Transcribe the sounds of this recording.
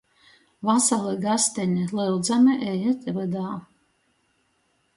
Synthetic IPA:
vasalˠɨɡast̪ɛnʲɛlɨld̪zamʲɛʔɛjɛt̪vɨd̪aː

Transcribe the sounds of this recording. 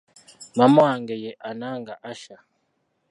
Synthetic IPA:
mamwaŋɡɛjɛʔanaŋɡaʔaʃa

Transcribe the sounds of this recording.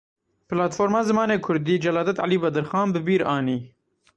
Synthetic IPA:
pɪlɑːt̪foːɾmɑːzɨmɑːneːkʰʊɾd̪iːd͡ʒɛlɑːd̪ɛt̪ʕa̰liːbɐd̪ɨɾxɑːnbɨbiːɾɑːniː

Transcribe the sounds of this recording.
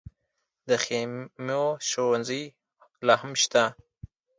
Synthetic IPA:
d̪əxemoʃowanzi | lɑɦamʃt̪a

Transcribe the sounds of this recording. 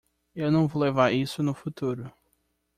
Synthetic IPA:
ewnɐ̃w̃volevaɾisʊnʊfut̪uɾʊ

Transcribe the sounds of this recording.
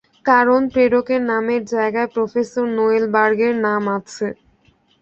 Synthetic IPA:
kaɾonpɾeɖokeɾnameɾd͡ʑaeɡaepɾofesoɾnoelbaɾɡeɾnamat͡ɕʰe

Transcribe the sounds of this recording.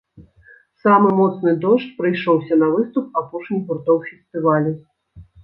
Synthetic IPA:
samɨmɔt̪snɨd̪ɔʂt͡ʃpɾɨjʂɔwsʲɐnɐvɨst̪up̚apɔʂnʲiburt̪ɔwfʲɛst̪ɨvalʲu

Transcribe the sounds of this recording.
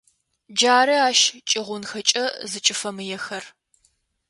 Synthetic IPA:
d͡ʒaːɾɨaːʃt͡ʃʼɪʁʷʊnxɐt͡ʃʼɐzɨt͡ʃʼɪfɐmɨjɛxɐr

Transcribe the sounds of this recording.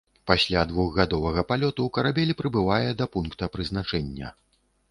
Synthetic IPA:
pasʲlʲad̪vuɣɣad̪ɔvɐɣɐpalʲɔt̪uwkɐɾabʲɛlʲipɾɨbɨvajɛd̪ɐpunkt̪ɐpɾɨznat͡ʂɛnʲːɐ̰

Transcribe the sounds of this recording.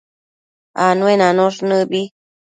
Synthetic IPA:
anũenãnõʂnɨbi

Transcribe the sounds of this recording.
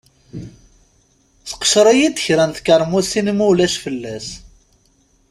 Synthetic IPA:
θə̥qə̥ʃɾˤæjid̪əçɾænθkəɾˤmusinmulæʃfəlːæs

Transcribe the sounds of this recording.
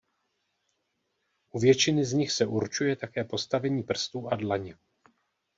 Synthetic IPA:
ʔuvjɛt͡ʃɪnɪzɲɪxsɛʔuɾt͡ʃujɛt̪akɛːpo̞st̪avɛɲiːpr̩st̪uʔadlaɲɛ

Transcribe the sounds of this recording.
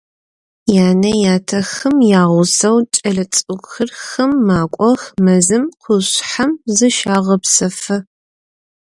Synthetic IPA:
jaːnɐjaːtʰɐxɨmjaːʁʷʊsɐwt͡ʃʼɐɮɐt͡sʼɨɡʷxɨrxɐmːaːkʷʼɔxmɐzɨmqʰʊɕħamzɨʃaːʁɐpsɐfɐ

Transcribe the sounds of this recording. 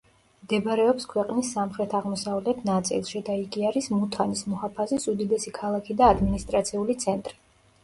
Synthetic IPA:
md̪ɛbɾɛɔpskʰwɛqʼnisːamχɾɛt̪ʰaʁmɔsavlɛt̪ʰnat̪sʼḭlˠʃid̪aiɡiaɾismut̪ʰanismɔhapʰazisud̪id̪ɛsikʰalˠakʰid̪aːd̪minist̪ʼɾat̪sʰiulit̪sʰɛnt̪ʼɾi

